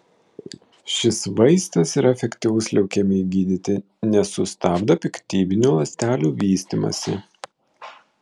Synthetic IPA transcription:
ʃʲɪsʋɐɪst̪ɐsiɾɐɛfʲɛkʲt̪ʲiʋʊslʲɛʊkʲɛmʲɪɡʲiːd̪ʲɪt̪ʲɪ | nʲɛsʊst̪ɑːbd̪ɐpʲɪkt̪ʲiːbʲɪnʲuːlˠɐsʲt̪ʲæːlʲuːʋʲiːsʲt̪ʲimɐ̰sʲɪ̰

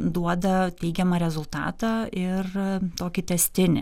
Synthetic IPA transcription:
d̪uɔd̪ɐt̪ʲɛɪɡʲɛmɐɾʲɛzʊlˠt̪ɑ̰ːt̪ɑːɪrt̪oːkʲɪt̪ʲɛsʲt̪ʲɪnʲɪ̰

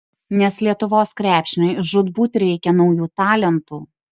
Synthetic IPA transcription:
nʲɛslʲiɛt̪ʊʋoːskɾʲæːpʲʃʲɪnʲɐɪʒʊd̪buːt̪ʲɾʲɛɪkʲɛnɒʊjuːt̪ɑːlʲɛnt̪uː

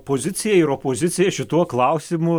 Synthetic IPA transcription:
poːzʲɪt̪sʲɪjɛɪɾoːpoːzʲɪt̪sʲɪjɛʃʲɪt̪uɔklˠɐʊsʲɪmʊ

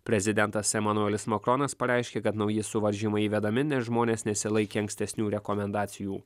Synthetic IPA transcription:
pʲɾʲɛzʲɪd̪ʲɛnt̪ɐsɛmɐnʊɛlʲɪsmɐkɾɔːnɐspɐɾʲɛˑɪʃʲkʲeːkɐt̪nɒʊjɪsʊʋɐɾʲʒʲimɐɪiːʋʲɛd̪ɐmʲɪnʲɛʒmoːnʲeːsnʲɛsʲɪlˠɐɪkʲeːɐŋksʲt̪ʲɛsʲnʲuːɾʲɛkɔmʲɛnd̪ɑːt̪sʲɪjuː

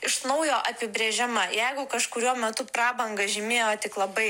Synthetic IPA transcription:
ɪʃnɐʊjoːʔɐpʲɪbʲɾʲeːʒʲɪmɐjɛɪɡʊkɐʃkʊɾʲuɔmʲɛt̪ʊpɾɑːbɐŋɡɐʒʲɪmʲeːjoːt̪ʲɪklˠɐbɐɪ

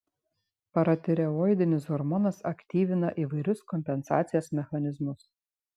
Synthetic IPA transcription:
pɐɾɐt̪ʲɛɾʲɛojd̪ʲɪnʲɪsɔɾmɔnɐsɐkʲt̪ʲiːʋʲɪnɐʔiʋɐɪɾʲʊskɔmʲpʲɛnsɑ̰ːt̪sʲɪjoːsmʲɛxɐnʲɪzmʊs

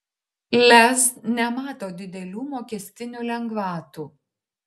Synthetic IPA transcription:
lʲɛznʲɛmɑːt̪oːd̪ʲɪd̪ʲɛlʲuːmoːkʲɛsʲt̪ʲɪnʲuːlʲɛŋɡʋɑːt̪uː

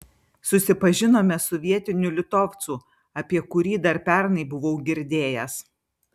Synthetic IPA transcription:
sʊsʲɪpɐʒʲɪnoːmʲɛsɔʋʲiɛt̪ʲɪnʲʊlʲɪt̪oːft̪suː | ɐpʲiɛkʊɾʲiːd̪ɐɾpʲɛˑɾnɐɪbʊʋɔʊɡʲɪɾʲd̪ʲeːjɛs

